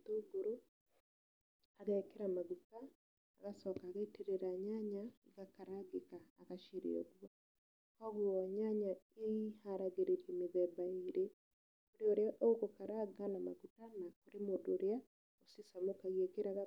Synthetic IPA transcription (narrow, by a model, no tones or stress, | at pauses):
toɡoɾo | aɣaekeɾamaɣutaː | ɣasɔkaɣaeteɾeɾaɲaɲaɣakaɾaɡekaːɣaʃeɾḛo̰ɡwa | kɔɣuɔɲaɲaeihaɾaɣeɾeɾiemeðɛbaeɾe | koɾeoɾeaʔoɣokaɾaɡanama̰ɣutanakoɾemodoɾea | osesamokaɣiekeɾaɣa